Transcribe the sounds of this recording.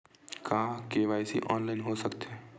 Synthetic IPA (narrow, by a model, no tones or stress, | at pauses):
kaːkeːʋaːjsḭʔɔːnlaːɪnɦosəkt̪ɛː